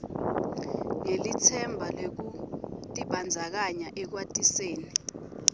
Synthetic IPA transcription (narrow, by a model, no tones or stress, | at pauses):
ŋelit͡sʰɛmbʱalwek̬utʼiɓand͡zʱak̬aɲaʔɛk̬watʼiseːni